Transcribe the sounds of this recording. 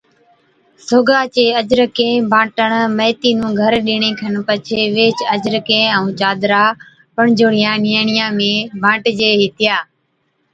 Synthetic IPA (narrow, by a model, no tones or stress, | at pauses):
soːɡaːt͡ʃeːəd͡ʒɾəkẽːbʱãːʈəɳməːt̪iːnũːɡʱəɾɗɪɳẽːkʰənpət͡ʃʰeːʋeːt͡ʃəd͡ʒɾəkẽːəũːt͡ʃaːd̪ɾaː | pəɳd͡ʒoːɽɪjãːnɪjəːɳɪjãːmẽːbʱãːʈd͡ʒeːɦɪt̪ɪjaː